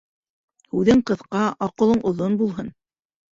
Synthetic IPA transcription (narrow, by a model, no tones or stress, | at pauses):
hʉðɘɴqɤ̆θqɑɑqɤ̆lˠɤɴʔŏðonbulˠɦɤn